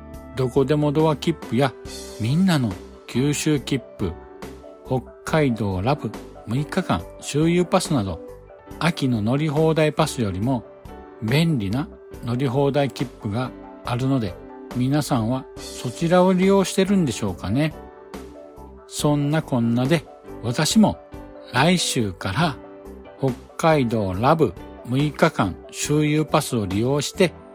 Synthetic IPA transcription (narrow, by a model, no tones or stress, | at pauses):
d̪o̞ko̞d̪e̞mo̞d̪o̞βakʲipːɯ̟jamʲĩnːano̞ | kʲɨːɕɨːkʲipːɯ̟̰ | ho̞kʰːaid̪o̞ːɾabɯ̟ | mɯ̟ikːakã̰ɰ̃ɕɨːjɯːpasɨnad̪o̞̰ | akʲino̞no̞ɾʲiɦo̞ːd̪aipasɨjo̞ɾʲimo̞ | bẽ̞nɾʲina | no̞ɾʲiɦo̞ːd̪aikʲipːɯ̟ɡaː | ɾɯ̟no̞d̪e̞ | mʲinasãɰ̃βaso̞t͡ɕiɾao̞ɾʲijo̞ːɕi̥t̪e̞ɾɯ̟̃nd̪e̞ɕo̞ːkane̞ | sõ̞nːakõ̞nːad̪e̞ | βat̪aɕimo̞ | ɾaiɕɨːkaɾa | ho̞kːaid̪o̞ːɾabɯ̟ | mɯ̟ikakãŋ̃ɕɨːjɯːpasɨo̞ɾʲijo̞ːɕi̥t̪e̞